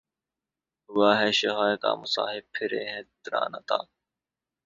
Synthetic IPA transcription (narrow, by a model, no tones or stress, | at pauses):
ʋaːɦɛːʃeɦaːjka̰ːmʊsa̰ːɦɪb̚pʰːɪɾeːɦẽːt̪ɾa̰ːnat̪a̰ː